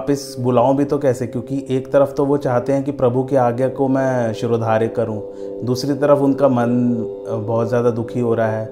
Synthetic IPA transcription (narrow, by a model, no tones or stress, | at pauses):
pɪsbʊlaːõbʱit̪okɛːsekjõːkiʔeːkt̪ɐɾəft̪oʋot͡ʃaːɦt̪eɦɛ̃kipɾɐbʱukiaːɡjakomɛ̃ːʃʊɾod̪ʱaːɾekːɐɾũː | d̪uːsɾit̪ɐɾəfʊnkamɐn | bɔːt̪zjaːd̪ad̪ʊkʰiɦoːɾaɦɛː